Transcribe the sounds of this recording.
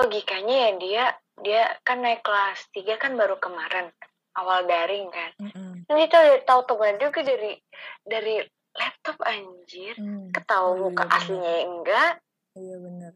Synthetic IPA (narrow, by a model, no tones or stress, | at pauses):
pəɡikaɲajadia | diakanːaikːəlast̪iɡakanbaɾukəmaɾɛn | ʔawaldaɾɪŋkanaɡit̪udɛt̪aut̪əɡad͡ʒukadaɾidaɾi | lɛp̚t̪ɔpaɲd͡ʒɪrkət̪auukaʔa̰sliɲajaəŋɡaʔ